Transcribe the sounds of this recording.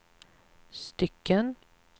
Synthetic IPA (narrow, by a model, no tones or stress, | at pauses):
st̪ʏkːən